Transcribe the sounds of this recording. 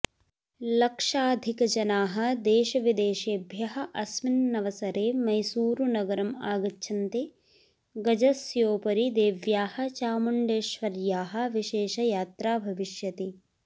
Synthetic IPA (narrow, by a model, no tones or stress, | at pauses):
lɐkʂaːd̪ʱikɐd͡ʒɐnaːɦɐ̆d̪eːʃɐʋid̪eːʃeːbʱjɐɦɐ̆ʔɐsminnɐʋɐsɐɾeːmɐjsuːɾunɐɡɐɾɐmaːɡɐtːʃʰɐnt̪e | ɡɐd͡ʒɐsjoːpɐɾid̪eːʋjaːhɐ̆t͡ʃaːmuɳɖeːʃʋɐɾjaːɦɐ̆ʋiʃeːʃɐjaːt̪ɾaːbʱɐʋiʃjɐt̪i